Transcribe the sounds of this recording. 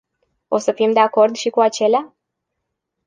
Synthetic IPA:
o̞səfimd̪e̞ako̞rd̪ʃikuat͡ʃe̞lea

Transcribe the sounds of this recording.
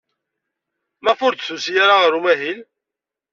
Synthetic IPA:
mæfʊɾd̪θusjaɾaʁəɾumæɦil

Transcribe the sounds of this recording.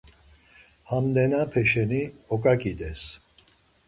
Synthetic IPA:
hamd̪ɛnapʰɛʃɛniɔkʼakʼid̪ɛs

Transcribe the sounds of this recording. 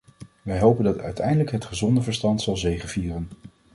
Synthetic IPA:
ʋɛjɦowpəndɑtœ̰ɥtʰɛ̰jndələkɦətχəzɔndəvəɹstɑntsɑlˠzejχənviːrən

